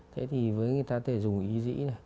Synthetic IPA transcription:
t̪ʰe˧˥˦t̪ʰi˨˩vəː˨˦jŋ˨˩əjt̪aː˧t̪ʰe˧˩zʊ˨˩ŋ͡mʔi˨˦zḭ˧˥na˨˩

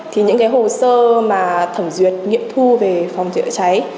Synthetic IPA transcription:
t̪ʰi˨˩ɲɨ̰˧˥ŋkaː˨˦jɦho˨˩səː˧maː˨˩t̪ʰə˧˩mzwi˨˩ət̚ŋḭ˧˨əmt̪ʰu˧ve˨˩fa˨˩wŋ͡mt͡ɕə̰ː˧˥t͡ɕa˨˦j

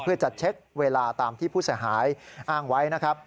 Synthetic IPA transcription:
pʰɯ˥˩ɐt͡ɕa˨˩t̪̚t͡ɕʰe˦˥k̚weː˧laː˧t̪aː˧mt̪ʰiː˥˩pʰuː˥˩si˩˦ɦaː˩˦jʔaː˥˩ŋwa˦˥jna˦˥kʰɾa˦˥p̚

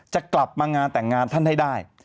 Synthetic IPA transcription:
t͡ɕa˨˩kla˨˩p̚maː˧ŋaː˧nt̪ɛː˨˩ŋaː˧nt̪ʰa˥˩nha˥˩jdaː˥˩j

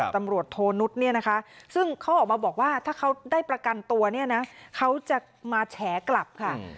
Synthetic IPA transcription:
t̪a˧mɾu˨˩ət̪ʰːoː˧nu˦˥t̪̚ni˥˩ɐna˦˥kʰa˦˥sɯ˥˩ŋkʰa˦˥wʔɔː˨˩k̚maː˧bɔː˨˩k̚waː˥˩t̪ʰaː˥˩kʰa˦˥wdaː˥˩jpɾa˧ka˧nt̪u˧ɐni˥˩ɐna˦˥kʰa˦˥wt͡ɕa˨˩ | maː˧t͡ɕʰɛː˩˦kla˨˩p̚kʰa˥˩

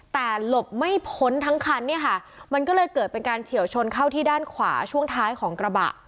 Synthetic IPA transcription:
t̪ɛː˨˩lo˨˩p̚ma˥˩jpʰo˦˥nt̪ʰa˦˥ŋkʰa˧nːi˥˩ɐkʰa˥˩ | ma˧nkɔː˥˩lɤː˧jkɤː˨˩t̪̚pe˧nkaː˧nt͡ɕʰi˨˩˦əwt͡ɕʰo˧nkʰa˥˩wt̪ʰiː˥˩daː˥˩nkʰwa̰ː˩˦t͡ɕʰu˥˩əŋt̪ʰaː˦˥jkʰɔː˩˦ŋkɾa˧ba̰˨˩ʔ

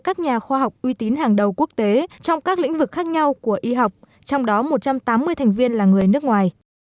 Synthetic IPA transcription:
kaː˦˥k̚ɲaː˨˩xwaː˧ɦa˨˩wk͡p̚ʔwi˧t̪i˨˦nɦaː˨˩ŋɗə˨˩wku˦˥ək̚t̪e˨˦t͡ɕɔ˧wŋ͡mkaː˦˥k̚lḭ˧˥ŋ̟vɨ˨˩k̚xaː˦˥k̚ɲa˧wku˧˩əʔi˧ɦa˨˩wk͡p̚ | t͡ɕɔ˧wŋ͡mɗɔ˨˦mo˨˩t̚t͡ɕa˧mt̪aː˨˦mːɨ˧əjt̪ʰɛ˨˩ŋ̟vi˧ənlaː˨˩ŋɨ˨˩əjnɨ˦˥əkŋwaː˨˩j

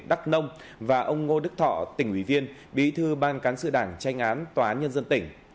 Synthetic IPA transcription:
ɗa˦˥k̚nə˧wŋ͡m | vaː˨˩ʔə˧wŋ͡mŋo˧ɗɨ˦˥k̚t̪ʰɔ̰˧˨t̪ï˧˩ŋwḭ˧˩vi˧ən | ɓḭ˧˨t̪ʰɨ˧ɓaː˧nkaː˨˦nsɨ̰˧˨ɗaː˧˩ŋt͡ɕa˧jŋ̟ʔaː˨˦nt̪waː˨˩aː˨˦nɲə˧nzə˧nt̪ï˧˩ŋ̟

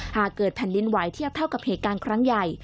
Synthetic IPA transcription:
haː˨˩kːɤː˨˩t̪̚pʰɛ˧nli˦˧˥nwa˩˦jt̪ʰi˥˩əp̚t̪ʰa˥˩wka˨˩p̚heː˨˩t̪̚kaː˧nkʰɾa˦˥ŋja˨˩j

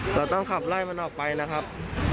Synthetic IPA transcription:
ɾa˧wt̪ɔ˥˩ŋkʰa˨˩p̚laː˥˩jma˧nʔɔː˨˩k̚pa˧jna˦˥kʰa˦˥p̚

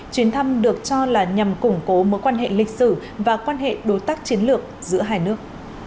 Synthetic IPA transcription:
t͡ɕwi˨˦ənt̪ʰa˧mɗɨ˨˩ək̚t͡ɕɔ˧laː˨˩ɲa˨˩mkʊ˧˩ŋ͡mko˨˦mo˨˦jkwaː˧nɦḛ˧˨lï˨˩k̟̚sɨ˧˩ | vaː˨˩kwaː˧nɦḛ˧˨ɗo˨˦t̪aː˦˥k̚t͡ɕi˨˦ənlɨ˨˩ək̚zɨ̰˧˥əɦaː˧jnɨ˦˥ək̚

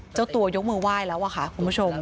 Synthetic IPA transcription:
t͡ɕa˥˩wt̪u˧ɐjo˦˥k̚mɯː˧waː˦˥˩jlɛː˦˥wʔaː˨˧˩kʰa˦˥˩kʰu˧nbu˦˥˩t͡ɕʰo˧m

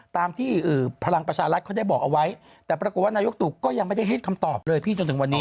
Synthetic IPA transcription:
t̪aː˧mt̪ʰiː˥˩ʔɯː˨˩pʰa˧la˧ŋpɾa˧t͡ɕʰaː˧ɾt̪̚kʰɔː˥˩da˥˩jbɔː˨˩k̚ʔa˧wa˦˥j | t̪ɛː˨˩pɾa˧ko˨˩t̪̚waː˥˩naː˧jo˦˥k̚t̪u˨˩kːɔː˥˩ja˧ŋma˥˩da˥˩jɦe˥˩t̪̚kʰa˧mt̪ɔː˨˩p̚lɤː˧jpʰiː˥˩t͡ɕo˧nt̪ʰɯ˩˦ŋwa˧nːiː˦˥

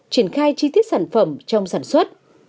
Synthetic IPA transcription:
t͡ɕi˧˩ənxaː˧jt͡ɕi˧t̪i˦˥ət̚saː˧˩nfə˧˩mt͡ɕɔ˧wŋ͡msaː˧˩nswə˦˥t̚

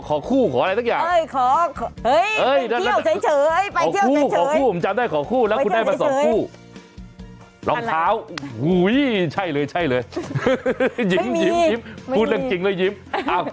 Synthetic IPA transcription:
kʰɔː˨˦kʰuː˥˩kʰɔː˩˦ʔa˧jsʰa˥kjaː˨˩˧jʰɔː˨˦˧jʔɤː˧˥˩jaː˧˥˩na˦˥˨t͡ɕʰa˨˦t͡ɕʰɤː˨˦jaː˧˨˦kʰuː˥˧˩kʰɔː˨˩˦kʰuː˥˩˨t͡ɕa˧mdaː˥˩jkʰɔː˨˩˦kʰuː˥˩lɛː˦˥wuː˧ndaː˥˩maː˧sɔː˨˦˧uː˥˩ | lɔ̰˧˩ŋkʰaː˦˥wu˧˩jt͡ɕʰa˥˩jlɤː˧jt͡ɕʰa˥˩jlɤː˧j | ji˨˧˦mji˨˦mi˨˦˥mʰ˧uː˧˩da˧ŋt͡ɕi˧˩ŋlɤː˧jːi˦mʔaː˧˩

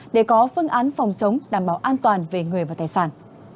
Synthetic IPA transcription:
ɗe˧˩kɔ˨˦fɨ˧əŋʔaː˨˦nfɔ˨˩wŋ͡mt͡ɕə˨˦wŋ͡mɗaː˧˩mɓaː˧˩wʔaː˧nt̪waː˨˩nve˨˩ŋɨ˨˩əvaː˨˩t̪aː˧˩jsaː˧˩n

